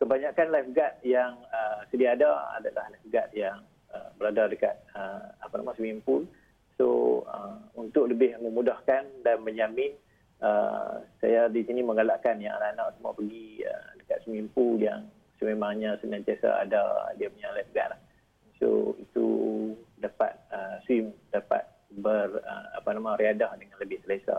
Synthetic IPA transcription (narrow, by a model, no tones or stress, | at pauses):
kəbaɲakanlajfɡat̪̚jaŋəsədiaːdaa̰dalahlajfɡat̪̚jaŋ | əbəɾadadəka̰t̪̚əapana̰mãsəmimpu | so̰ə̰unt̪ʊk̚ləbɪhməmudahkandanməɲamɪn | əsa̰jadisiniməŋalaʔkanjaŋa̰naʔnaʔsəmua̰pəɡiə̰dəkat̪̚səmimpujaŋ | səmemaŋɲasənãt͡ʃ̪asa̰a̰da̰diaməɲalajt̪əɡa̰ʔlah | so̰it̪ṵ | dapa̰t̪̚əswimdapa̰t̪̚ | bərə̰a̰panamãɾiadahdəŋanləbɪhsəlesa̰